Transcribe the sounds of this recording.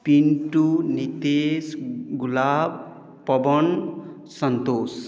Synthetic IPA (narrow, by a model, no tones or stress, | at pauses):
pinʈunit̪esɡulab | pːɔbɔn | sɔnt̪os